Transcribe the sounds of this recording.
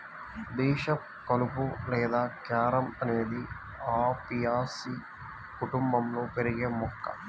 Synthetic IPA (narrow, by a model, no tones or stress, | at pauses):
d̪ɛːʃɐ | kɐlupulɛːd̪aːkaːɾɐmɐneːd̪i | aːpijaːsi | kuʈumbɐmnupeɾiɡemukːɐ̰